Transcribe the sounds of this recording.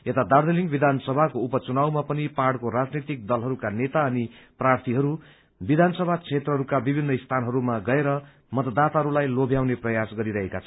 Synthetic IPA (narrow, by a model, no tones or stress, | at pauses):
et̪ad̪ard̪eliŋɡbid̪ʱansʌbʱakoupʌt͡sunawmapʌnipaɽkoɾad͡znet̪ik̚d̪ʌlɦʌɾukanet̪aʌniprart̪ʰiɦʌɾu | bid̪ʱansʌbʱat͡sʰet̪rʌɦʌɾukabibʱinːʌist̪ʰanɦʌɾumaɡʌeɾʌ | mʌt̪ʌd̪at̪aɦʌɾulajlobʱjawneprʌjasɡʌɾiɾʌɦekat͡sʰʌn